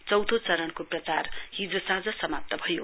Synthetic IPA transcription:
t͡sʌwd̪ʱot͡sʌɾʌnkoprʌt͡sarɦid͡zosãd͡zʌsʌmap̚t̪ʌbʱʌjo

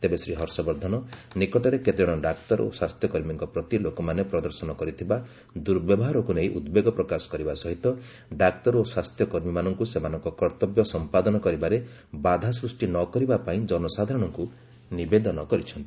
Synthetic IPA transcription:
t̪ebesɾiɦɔɾsɔbɔɾd̪ʱɔnɔnikɔʈɔɾeket̪iɽ̃ɔɖakt̪ɔɾo̰swast̪ʰjɔkɔɾmiŋkɔpɾɔt̪ilokɔmanepɾɔd̪ɔɾsɔnɔkɔɾit̪ʰiba | d̪uɾbjɔbɔɦaɾɔkuneiʔud̪beɡɔpɾɔkasɔ̥kɔɾibasɔɦit̪ɔ | ɖakt̪ɔɾoswast̪jɔkɔɾmimanɔŋkusemanɔŋkɔkɔɾt̪ɔbjɔsɔmpad̪ɔnɔkɔɾibaɾe | bad̪ʱasɾusʈinɔkɔɾibapaĩd͡ʒɔnɔsad̪ʱaɾɔɽ̃ɔŋku | nibed̪ɔnɔkɔɾit͡ʃʰɔnt̪i̥

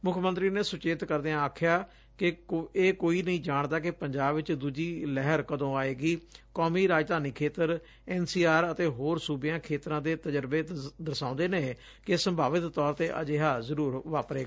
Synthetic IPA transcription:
mʊkʰmə̃nt̪ɾiːneːsʊt͡ʃeːt̪kəɾd̪eãaːkʰjaː | kɪeːkoːiːnəĩːd͡ʒaːɳd̪aːk̬ɪpəɲd͡ʒaːbʋɪt͡ʃd̪uːd͡ʒiːlɛɦəɾkəd̪õːaːeːɡiːkɔːmiːɾaːd͡ʒd̪aːniːkʰeːt̪əɾ | ɛːnsiːaːɾət̪eːɦoːɾsuːbɪjãːkʰeːt̪ɾãːd̪eːt̪əd͡ʒəɾbeːd̪əsãːʊ̃nd̪eːneː | kesəmbʱaːʋɪt̪ːɔːɾt̪eːʔə̰d͡ʒeːɦaːzəɾuːɾʋaːpɾeː

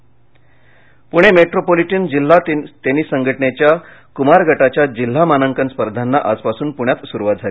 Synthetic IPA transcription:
puɽ̃emeʈɾopoliʈənd͡ʑil̤ːat̪t̪eniːsəŋɡʱəʈəɳet͡ɕja | kumaɾɡʱəʈat͡ɕjad͡ʑil̤ːamanəŋkənspəɾd̪ʱanːaʔad͡zpasuːnpuɽ̃jat̪suɾuʋat̪̚d͡zʱali

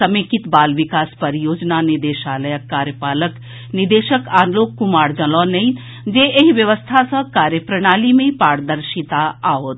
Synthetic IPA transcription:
əmẽkit̪baːlʋikaːspəɾjoːd͡ʒnaniɾd̪eːʃaːləjəkːaːɾjəpaːlək | niɾd̪eːʃəkaːnloːkːumaːɽd͡ʒəlɔnəĩ | d͡ʒeeɦiʋjəʋəst̪ʰasə̃kaːɾjəpɾəɽ̃aːlimẽpaːɽd̪əɾʃit̪aaːɦoːt̪

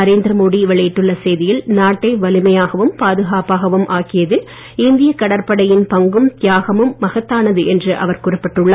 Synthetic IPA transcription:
ɐɾeːnd̪ɾɐmoːɽiʋɛɭɐjɪʈːɯɭːɐsɛjðɪjɪlnaːʈːɐɪʋɐlɪmɐjaːɣɐʋɯmpaːðɯɣaːpaːɣɐʋɯmʔaːkɪjɐðɪl | ɪnd̪ɪjɐkɐɽɐɾpɐɽɐjɪnpɐŋɡɯmt̪jaːɣɐmɯmːɐɣɐt̪ːaːnɐðɯʔɛndrɯʔɐ̰ʋɐɾkʊrɪpːɪʈːɯɭːaː

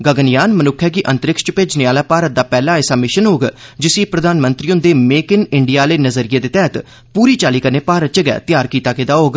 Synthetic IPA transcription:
ɡəɡənɪjaːnmənʊkʰːɛːkiːʔə̃nt̪əɾɪkʃped͡ʒnɪaːlaːpaːɾət̪̚d̪aːpɛːlaːesaːmɪʃənɦoːɡd͡ʒɪsiːpɾəd̪aːnmənt̪ɾiːʊ̃nd̪eːmeːkɪnɪɳɖijaːleːnəzəɾɪjeːd̪eːt̪ɛːt̪ | puːɾiːt͡ʃaːliːkəɾneːpaːɾət̪̚t͡ʃəɡɛ̰ːt̪ɪjaːɾkiːt̪aːkɪd̪aːɦoːɡ

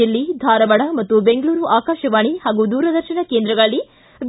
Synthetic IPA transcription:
ilːid̪ʱaːɾɐbɐɽɐmɐt̪ːube̞ŋɡɐɭuːɾuʔaːkaːʃɐʋaːɳihaːɡud̪uːɾɐd̪ɐɾʃɐnɐkeːnd̪ɾɐɡɐɭːi | ʋ

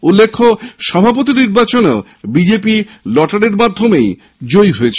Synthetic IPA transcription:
ulːekʰːoʃɔbʱapot̪iɾniɾbat͡ɕono | bid͡ʑepilɔʈaɽeɾmad̪ʱːomej | d͡ʑojɦoet͡ɕʰ

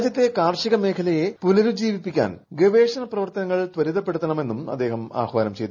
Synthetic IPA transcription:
d͡ʑjɐt̪ːekaːrʂiɣɐme̞ːkʰɐlɐje̞punɐɾud͡ʑiːʋipːikʲːa̰ːnɡeʋe̞ːʂɐnɐprɐʋɐrt̪ɐnɐŋːɐɭt̪ʋɐɾiðɐpːe̞ɽut̪ːɐɳɐme̞nːumɐ̰d̪ːe̞ːhɐma̰ːxʋaːnɐmt͡ɕe̞jd̪

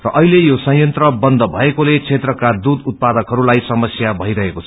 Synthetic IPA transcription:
rʌʔʌɦilejosʌ̃jʌnt̪rʌbʌnd̪ʱʌbʱʌekolet͡sʰet̪rʌkad̪ud̪ut̪̚pad̪ʌkɦʌɾulajsʌmʌsjabʱʌijɾʌɦekot͡sʰʌ̥

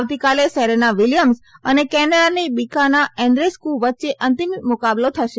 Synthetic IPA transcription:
ʋt̪ikalesɛɾenaʋilijəmsənekɛnəɽanibikanaɛ̃ɳɖɾeskulʋətːʃeʔənt̪immʊkablot̪ʰəʃe

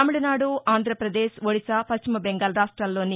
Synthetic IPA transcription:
aːmiɽɐnaːɽuʔaːnd̪ʱɾɐpɾɐd̪eːʃʋoɽisapɐt͡ʃːimɐbɛŋɡaːlɐɾaːʂʈɾaːlːo̞ːni

